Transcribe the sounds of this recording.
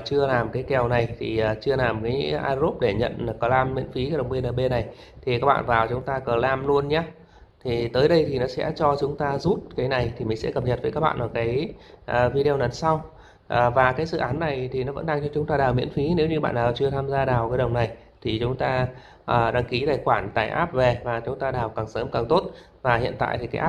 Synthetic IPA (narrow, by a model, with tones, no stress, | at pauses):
t͡ɕɨ˧əlaː˨˩mkaː˨˦jkɛ˨˩wna˨˩jt̪ʰi˨˩ʔəː˨˩t͡ɕɨ˧əlaː˨˩mkaː˨˦jʔa̰ː˧zo˦˥p̚ɗe˧˩ɲə̰˧˨n˨˩kɔ˨˦laː˧mːḭ˧˥ənfi˨˦kaː˨˦jɗə˨˩ŋ͡mɓi˧nəː˨˩ɓe˧na˨˩j | t̪ʰi˨˩kaː˦˥k̚ɓa̰ː˧˨nvaː˨˩wt͡ɕʊ˨˦ŋ͡mt̪aː˧kəː˨˩laː˧mlu˧ənɲaː˨˦ | t̪ʰi˨˩t̪əː˨˦jɗə˧jt̪ʰi˨˩nɔ˨˦sɛ̰˧˥t͡ɕɔ˧t͡ɕʊ˨˦ŋ͡mt̪aː˧zu˦˥t̚kaː˨˦jna˨˩jt̪ʰi˨˩mï˨˩ŋ̟sɛ̰˧˥kə˨˩p̚ɲə˨˩t̚vəː˨˦jkaː˦˥k̚ɓa̰ː˧nʔəː˧˩kaː˨˦jʔəː˨˩vi˧ɗi˧ə˧nə˨˦nsa˧w | ʔəː˨˩vaː˨˩kaː˨˦jsɨ̰˧˨ʔaː˨˦nːa˨˩jt̪ʰi˨˩nɔ˨˦və̰˧˥nɗa˧ŋt͡ɕɔ˧t͡ɕʊ˨˦ŋ͡mt̪aː˧ɗaː˨˩wmḭ˧˥ənfi˨˦ne˨˦wɲɨ˧ɓa̰ː˧˨naː˨˩t͡ɕɨ˧ət̪ʰaː˧mzaː˧ɗaː˨˩wkaː˨˦jɗə˨˩wŋ͡mna˨˩j | t̪ʰi˨˩t͡ɕʊ˨˦ŋ͡mt̪aː˧ | ʔəː˨˩ɗaː˧ŋki˨˦ɗaː˨˩xwaː˧˩nt̪a̰ː˨˩jʔa̰ː˦˥p̚ve˨˩vaː˨˩t͡ɕʊ˨˦ŋ͡mt̪aː˧ɗaː˨˩wkaː˨˩ŋsəː˨˦mkaː˨˩ŋt̪o˦˥t̚ | vaː˨˩hḭ˧˨ənt̪a̰ː˧˨jt̪ʰi˨˩kaː˨˦jʔa˦˥